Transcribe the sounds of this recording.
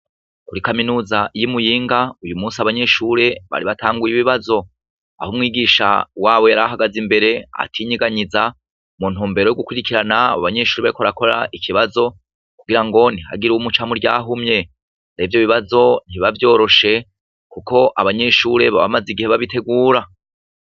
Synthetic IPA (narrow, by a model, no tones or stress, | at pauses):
kuɾikaminuːzajimujiːŋɡaujumuːsiaβaɲe̞ʃuɾe̞βa̰ɾiβatʰaːŋɡujiβiβazo̞ | a̰humŋiːɡiʃa̰waːβo̞jaɾaɦaɡazimbe̞ɾe̞a̰tʰiɲiɡaɲiza | mun̥huːmbe̞ɾojoɡukwiɾikiɾanaβa̰βaɲe̞ːʃuːɾeβaɾikoɾako̞ɾaʔikʰiβazo̞ | kuɡiɾaŋɡo̞niha̰ɡiɾuumut͡ʃamuɾɟaːɦumɲe̞ | ɾevjo̞βiβazo̞n̥iβavjo̞ːɾo̞ʃe̞ | kukʰo̞ʔaβaɲe̞ʃuɾe̞βa̰βa̰maziɡiheβaβitʰe̞ɡuːɾa